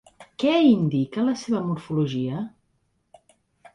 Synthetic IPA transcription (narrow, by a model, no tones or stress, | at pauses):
kɛind̪ikələseβəmuɾfuluʒiə